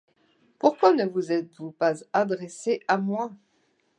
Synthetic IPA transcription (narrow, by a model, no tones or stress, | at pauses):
puʁkwanəvuzɛt̪vupazad̪ʁɛseʔamwɛ̃